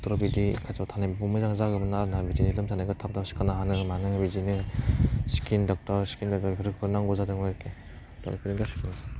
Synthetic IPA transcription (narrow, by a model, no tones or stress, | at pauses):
tɔɾɔbidikʰatatʰanababumɯjzaŋzaɡɯmɯnaɾɯnabidinilɯmtʰanaɡɯtʰap̚dasi̥kanaɦanɯŋmanɯŋbizinɯŋskindɔk̚taɾsi̥kindɔk̚taɾpʰɯɾɯk̚ʰɯɾnaŋɡɔzadɯŋajɾke | dɔ̰ipʰiɾɯŋɡasi̥kin